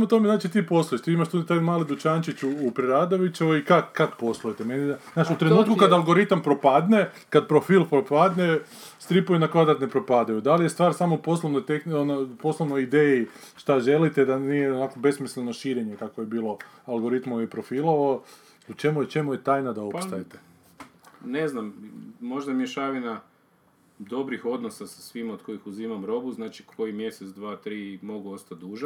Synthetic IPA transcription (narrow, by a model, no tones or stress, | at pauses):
smot̪omeznaːt͡ʃit̪iːpo̞slˠujeʃt̪iːimaʃt̪ut̪ajmaːlid̪ut͡ʃaːnt͡ʃit͡ɕuːpɾeɾad̪oʋit͡ʃeoikakak̪po̞slˠujet̪emeniznaːt͡ʃut̪ɾennuːt̪̚kukad̪alˠɡo̞ɾit̪ampɾo̞pad̪ne | kad̪pɾofiːlˠpɾopad̪ne | st̪ɾipojinakʋad̪ɾat̪nepɾopad̪ajud̪alije̞st̪ʋaːɾsaːmoupo̞slˠoʋnojt̪exnonoupo̞slˠoʋnojid̪eji | ʃt̪aʒe̞lit̪ed̪anije̞onakobe̞smisleno̞ʃiːɾe̞ɲe̞kakoje̞biːlo̞ | alˠɡo̞ɾit̪moʋepɾo̞filˠoʋao | ut͡ʃe̞mujet͡ʃe̞muje̞t̪aːjnad̪ao̞ppst̪ajet̪e | neznammo̞ʒd̪amjeʃaːʋina | d̪o̞bɾixo̞d̪nosasḁsʋimaod̪̚ko̞ixuziːmamɾo̞buznaːt͡ʃi̥kʰojimje̞set̪sd̪ʋaːt̪ɾiːmo̞ɡuost̪at̪̚d̪uːʒa